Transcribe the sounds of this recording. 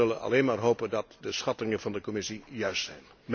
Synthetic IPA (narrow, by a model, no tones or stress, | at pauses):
ɵlənɑ̰leːnmaːrɦowpəndɑtdəsχɑtɪŋənvɑndəkomɪsijœɥstsɛjn | m